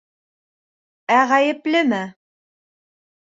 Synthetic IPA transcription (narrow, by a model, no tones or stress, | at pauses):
æʁæjɘ̆plɘmɘ